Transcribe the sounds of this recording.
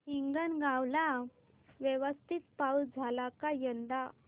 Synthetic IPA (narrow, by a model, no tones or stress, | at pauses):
ɦiŋɡənɡawla | ʋjəʋəst̪ʰit̪paud͡zʱalakajənd̪a